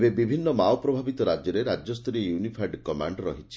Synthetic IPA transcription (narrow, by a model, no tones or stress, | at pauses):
bebibʱinːɔmaɔpɾɔbʱabit̪ɔɾad͡ʒjɔɾeɾad͡ʒjɔst̪ɾijunipʰaɾɖkɔma̰ɳɖɾɔɦit͡ʃʰi̥